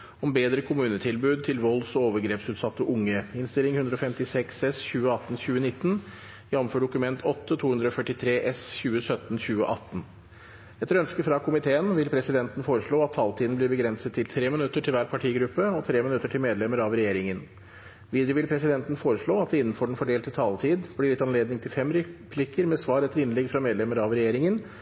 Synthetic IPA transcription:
ɔmbeːd̪ɾəkʰʊmʉːnət̪ʰɪlbʉːd̪̚t̪ʰɪlʋɔlsɔoːʋəɡɾeːpsʉːt̪sɑt̪ːəʔʊŋːəɪnst̪ɪlɪŋhʉnd̪ɾəɔfɛmt̪ɪsɛksɛsçʉːəɑt̪ːn̩ɕʉːənɪt̪ːən | jɛnːɔmføːɖʊkʉmɛnt̪ʰɔt̪ːət̪ʰuːhʉnd̪ɾəɔfœʈːɪt̪ʰɾeːʔɛsçʉːəsœt̪n̩çʉːə̰ʔɑt̪ːn̩ | ɛt̪ːəɾœnskəfɾɑkʰʊmɪt̪ʰeːənʋɪlpʰɾɛsɪd̪ɛnt̪ən̩foːɾəʂɭoːɑt̪ʰːɑlt̪ʰiːd̪n̩blɪɾbəɡɾɛnsət̪ʰːɪlt̪ʰɾeːmɪnʉt̪ːəʈʰɪlʋæːɾpʰɑʈʰiːɡɾʉpːəɔt̪ʰɾeːmɪnʉt̪ːəʈʰɪlmeːd̪lɛməɾɑʋɾɛjeːɾɪŋən | ʋiːd̪ɾjəʋɪlpʰɾɛsɪd̪ɛnt̪n̩foːɾəʂɭoːɑt̪̚ɛɪnːn̩fɔɖɛɳfɔɖeːlt̪ət̪ʰɑlt̪ʰiːd̪blɪɾɪt̪ːɑnleːd̪nɪŋt̪ʰɪlfɛmɾɛpʰlɪkəɾmɛsʋɑːɾɛt̪ːəɾɪnlɛɡfɾɑmeːd̪lɛməɾɑʋɾɛjeːɾɪŋən

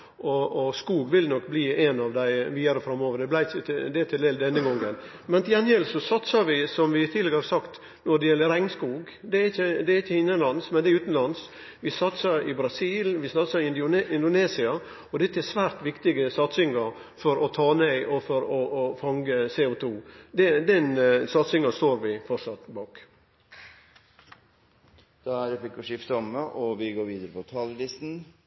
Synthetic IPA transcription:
ʔɔɔskuːɡʋɪlnɔkːbliːenɑʋd̪æɪʋiːɑɾəfɾɑmoːʋəɾd̪ɛblæɪd̪ɛt̪ʰɪld̪eːld̪ɛnːəɡɔŋːən | mɛnt̪ʰɪjɛnɛlsɔsɑt̪sɑɾʋɪsɔmʋɪt̪ʰiːlɛɡəhɑɾsɑkt̪ | nɔɾd̪ɛjɛlːəɾɛɪŋskuːɡ | d̪ɛɾɪçːəd̪ɛɾɪçːəɪnːənlɑnsmɛnd̪ɛɾʉːt̪n̩lɑns | ʋɪsɑt̪sɑɾɪbɾɑsiːlʋɪsɑt̪sɑɪɪnd̪ʊɪnd̪ʊneːsɪɑ | ɔd̪ɛt̪ːəæsʋæːɾt̪ʋɪkt̪ɪɡəsɑt̪sɪŋɑɾ | fɔɾɔt̪ʰɑːnɛɪʔɔfɔɾɔʔɔfɑŋɡəseːʊt̪ʰuːd̪ɛd̪ɛnsɑt̪sɪŋɑst̪oːɾʋɪfɔʂɑt̪bɑːk | d̪̥æɾfɪkːɔʂɪft̪ɔməʔɔʋɪɡoːɾʋiːd̪əɾəpʰɔt̪ʰɑːləlɪst̪n̩

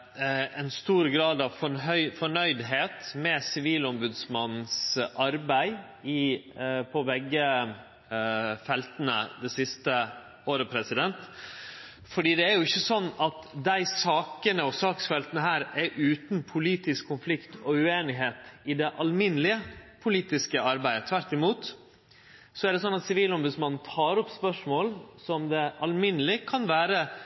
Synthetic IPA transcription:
ɛnst̪uːɾɡɾɑːd̪ɑʋfɔɦœʏfɔɳœʏd̪ɦeːt̪mɛsɪʋiːlɔmbʉd̪smɑn̩sʔɑɾbæɪ | ɪpʰɔʋɛɡːə | fɛlt̪ənə̰d̪ɛsɪst̪ə | oːɾəpʰɾɛsɪd̪ɛnt̪ | fɔɖiːd̪ɛæɾjʊɪçːəsɔnːɑt̪d̪æɪsɑːkənəɔsɑːksfɛlt̪ənəɦæːɾɛʔʉːt̪n̩pʰʊliːt̪ɪskʰːʊnflɪkt̪ʰɔʉeːnɪɦeːt̪ɪd̪ɛʔɑlmɪnːlɪəpʰʊliːt̪ɪskəɑɾbæɪd̪ət̪ʰʋæɾt̪ɪmuːt̪ | sɔæɖɛs̬ɔnːɑt̪sɪʋiːlɔmbʉd̪smɑnn̩t̪ʰɑːɾɔpspœʂmoːlsɔmd̪ɛʔɑlmɪnəlɪkʰɑnʋæːɾə

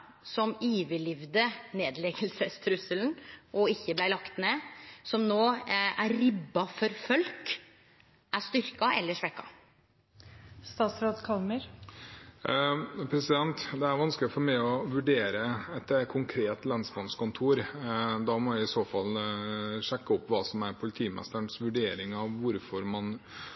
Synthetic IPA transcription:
sɔmiːʋəlɪʋd̪əneːd̪lɛɡəlsəst̪ʰɾʉsəln̩ʔɔɪçːəblæɪlɑkt̪neːsɔmnoːæɾːɪbːɑfɔɾfœlk | ʔæʂt̪ʏɾkɑʔɛlːəʂʋɛkːɑ̰ | st̪ɑːt̪sɾoːd̪kʰɑlməɾ | pʰɾɛsɪd̪ɛnt̪d̪ɛæɾʋɑnsklɪfɔɾmæɪɔʋʉɖeːɾəɛt̪kʰʊŋkʰɾeːt̪lɑnsbɑnskʊnt̪ʰuːɾd̪ɑmɔæɪɪsoːfɑl | ʂɛkːəʊpːʋɑːsɔmæɾpʰʊlɪt̪ʰiːmɛ̰st̪əɳsʋʉɖeːɾɪŋɑʋʋʊɾfɔɾmɑn

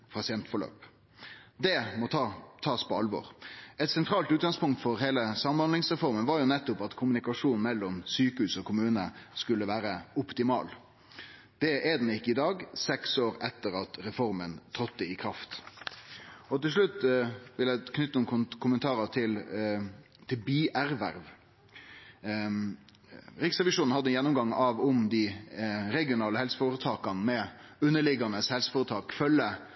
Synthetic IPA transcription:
pʰɑsɪɛnt̪fɔɾɭø̰ːp | d̪ɛmɔt̪ɑt̪ʰɑːspɔɑlʋɔ̰ːɾɛt̪sɛnt̪ʰɾɑːlt̪ʉːt̪ɡɑŋspʊŋkt̪fɔɾɦeːləsɑmːɑɔnlɪŋsʁɛfɔɾmənʋɑɾjʊnɛt̪ːʊpɑt̪kʰʊmʉnɪkɑʂuːnn̩mɛlːɔmsyːkəhʉːsɔkʰʊmʉːnəskʉlːəʋæːɾəɔpt̪ɪmɑ̰ːl | d̪̥ɛʔɛd̪ɛnɪkːəɪd̪ɑːɡsɛksoːɾɛt̪ːəɾɑt̪ɾɛfɔɾmənt̪ʰɾɔt̪̚d̪ɛɪkʰɾɑft̪ | ɔt̪ɪlʂ̬ɭʉt̪ːʋɪljæɪkʰnʏt̪ːəʊmkʰʊmənt̪ʰɑːɾət̪ʰɪl | t̪ʰɪlbiːʔæɾʋæ̰ɾʋ | ɾɪksʁɛʋɪʂuːnn̩hɑd̪ːəjɛnːʊmɡɑŋːɑʋʊmd̪ɪɾɛɡɪʊnɑːləhɛlsəfoːɾət̪ʰɑːkɑnmɛ | ʉnːəɭɪɡɑnəshɛlsə̥foːɾət̪ʰɑːkfœlːə

